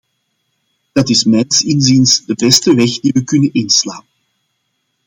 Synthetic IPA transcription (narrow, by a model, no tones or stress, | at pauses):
d̥ɑtɪsmɛjnsɪnzinsdəbɛstəʋɛɣd̥iʋəkʏnənɪnsla̰ːnən